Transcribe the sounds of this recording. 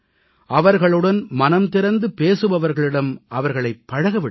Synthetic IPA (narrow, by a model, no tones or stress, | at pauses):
ʔɐʋɐɾɣɐɭɯɽɐnmɐnɐmt̪ɪɾɐnd̪ɯpeːsɯʋɐʋɐɾɣɐɭɪɽɐmʔɐʋɐɾɣɐɭɐɪpːɐɻɐɣɐʋɪɽ